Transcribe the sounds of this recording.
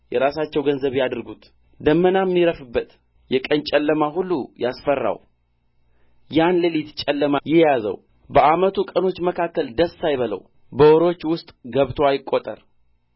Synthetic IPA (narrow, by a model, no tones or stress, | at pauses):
jɛɾasat͡ʃːɛwɡənzəβjad̪ɨɾɡut̪ | d̪əmːənamːiɾəfɨbːət̪ | jɛkʼənt͡ʃʼɛlːəmaɦulːujasfərːa̰w | janlɨlit̪t͡ʃʼɛlːəmajɛjazə̰w | bəamət̪ʰukʼəno̞t͡ʃːməkʰakːəld̪əsːajβələ̰w | bəwoɾo̞t͡ʃːwʊst̪ʼɡəβt̪ʰoajɪkʼːot̪ʼə̰ɾ